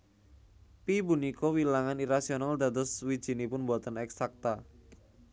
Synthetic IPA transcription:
pibunikɔwilaŋaniɾasionald̪a̤d̪ɔswid̥ʒ̥i̤nipʊnbuat̪ənɛksak̚t̪a

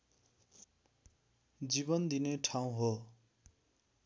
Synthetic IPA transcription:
d͡zibʌnd̪ineʈʰaw̃ɦo

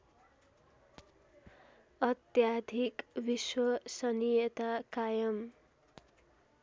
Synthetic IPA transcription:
ʌt̪jad̪ʱikbiswʌsʌnijet̪akajʌm

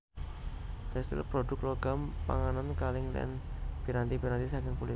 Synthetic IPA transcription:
t̪ɛst̪ḭlpɾodʊkloɡampa̰ŋanankalɪŋlɛ̰nb̥iɾant̪ibiɾant̪isakɪŋpulɪ

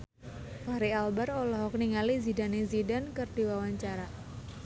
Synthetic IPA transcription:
paɾialbarolɔɦɔkniŋalizidanezidankərdiwawaɲt͡ʃaɾa

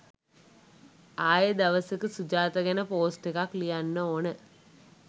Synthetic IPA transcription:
aːjəd̪ɐʋɐsəkɨsud͡ʒaːt̪ɐɡɐnəpoːsʈekaklijanːəoːnə

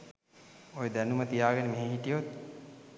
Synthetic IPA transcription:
ojed̪ænumət̪ijaːɡənəmeɦeɦiʈijot̪̚

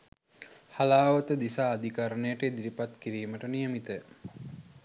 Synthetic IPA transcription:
halaːʋət̪əd̪isaːd̪ikaɾənəjəʈəed̪iɾipat̪kiɾiːməʈənijəmit̪ə

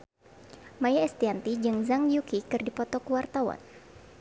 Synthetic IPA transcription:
majaɛst̪iant̪id͡ʒɨŋzaŋjukikɨrdipɔt̪ɔkəwart̪awa̰n

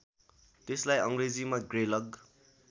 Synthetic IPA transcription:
t̪eslajʌŋred͡zimaɡrelʌɡ

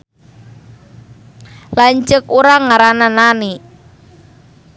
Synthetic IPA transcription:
laɲt͡ʃəkuɾaŋaɾananani

